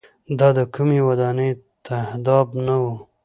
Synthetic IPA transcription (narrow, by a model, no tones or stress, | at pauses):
d̪ɑd̪əkumewad̪ɑnəjt̪ʰahd̪ɑbnawu